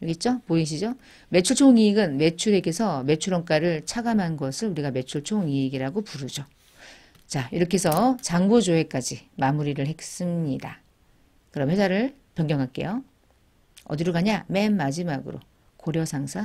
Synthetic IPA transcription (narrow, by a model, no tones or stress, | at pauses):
jʌɡet͡ɕ͈opoiɕ̬ʰid͡ʑo | me̞t͡ɕʰuɭt͡ɕʰoŋiiɡɯnme̞t͡ɕʰuɾe̞ɡe̞sʰʌme̞t͡ɕʰuɾʌŋk͈aɾɯɭt͡ɕʰaɡamɦanɡʌsʰɯɭuɾiɡame̞t͡ɕʰuɭt͡ɕʰoŋiiɡiɾaɡopuɾud͡ʑo | t͡ɕaiɾʌkʰe̞sʰʌt͡ɕaŋbod͡ʑoe̞k͈ad͡ʑimamuɾiɾɯɭɦe̞k̚s͈ɯmɲida | kɯɾʌmwe̞sʰaɾɯɭ | pjʌŋɡjʌŋɦak͈e̞̰jo | ʌ̰diɾuɡaɲame̞nːad͡ʑimaɡɯ̰ɾo̰ | koɾjʌsʰaŋsʰa